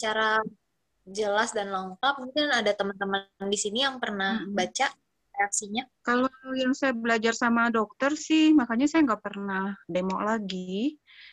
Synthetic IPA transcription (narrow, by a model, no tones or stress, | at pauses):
t͡ʃaɾa | d͡ʒəlasdanləŋkap̚munt̪ianadat̪əmənt̪əməndisinijaŋpərnahbat͡ʃa | reaksiɲakalojaŋsajabəlad͡ʒarsamadɔk̚t̪ərsɪhmakaɲasajaŋɡaʔpərnahdemɔʔlaɡi